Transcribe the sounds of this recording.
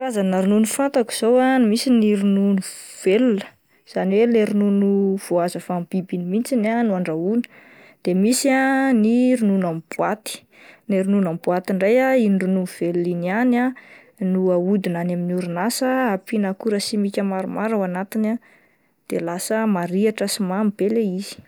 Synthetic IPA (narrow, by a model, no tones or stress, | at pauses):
ɾazanaɾununufant̪aku̥z̥owanmisiniɾununuv̥elunə̥ | z̥aniweleɾinunuv̥oazəfamb̥ibinimint͡sinanuaɳɖ͡ʐaunə̥ | d̪̥emisianiɾununamb̥uat̪i̥ | neɾinunamibuat̪iɳɖ͡ʐajaiɳɖ͡ʐununv̥eluliniana | nuaud̪inanaminuɾinasəapinakuɾəsimikʲəmaɾumaɾawanat̪ina | d̪̥elasəmaɾiaʈ͡ʂəsimambeleiz̥i̥